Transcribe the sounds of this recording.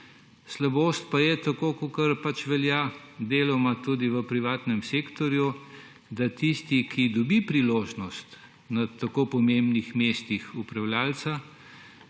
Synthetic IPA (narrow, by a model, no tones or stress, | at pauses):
slaboːst̪̚pajɛt̪akoːkokɐɾpat͡ʃʋɛljad̪eːlɔmat̪uːd̪iʋəpɾiʋaːt̪nɛmsekt̪ɔɾju | d̪at̪ist̪ikʰid̪ɔbipɾiloːʒnɔst̪ | nat̪akoːpɔmembnixmest̪ixupɾawljaːlt̪sa